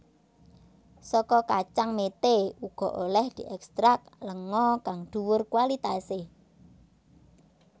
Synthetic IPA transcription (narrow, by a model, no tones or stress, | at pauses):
sɔkɔkat͡ʃaŋmet̪euɡ̥ɔ̤ʔolɛhd̪̥i̤ʔɛkst̪ɾak̚ləŋɔkaŋd̪̥uwʊrkuwalit̪ase